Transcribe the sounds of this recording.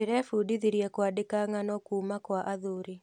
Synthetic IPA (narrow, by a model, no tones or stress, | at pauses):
eɾɛfudiðiɾjɛkwadekaŋanɔkuːmakwaʔaðoɾi